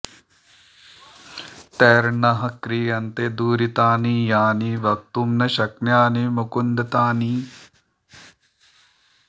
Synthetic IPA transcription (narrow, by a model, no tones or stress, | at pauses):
t̪eːɾnɐɦɐkɾiːɐnt̪ed̪uːɾit̪aːnijaːniʋɐk̚t̪umnɐʃɐknjaːnimukund̪ɐt̪aːni